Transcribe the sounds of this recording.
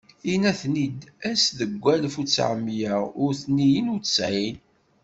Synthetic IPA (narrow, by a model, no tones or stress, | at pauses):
inæθnid̪æsðəɡʷːælfut͡sːʕə̰mːjæʊɾθnijinut͡sə̥sʕin